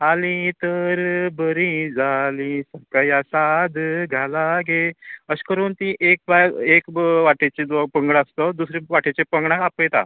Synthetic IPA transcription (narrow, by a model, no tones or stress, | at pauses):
alĩt̪əɾbəɾĩd͡zalĩsəkajasad̪ɡʱalaɡeəskəɾuːnt̪ĩʔek̚bajekʋaʈet͡ɕed̪ɔpəŋɡɽast̪ɔd̪usɾeʋaʈet͡ɕepəŋɡɳakapəjt̪a̰